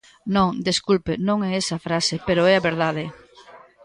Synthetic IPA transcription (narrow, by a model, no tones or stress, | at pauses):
nõŋd̪eskulpenõŋɛesɐfɾasepeɾoɛaβeɾð̞að̞ɪ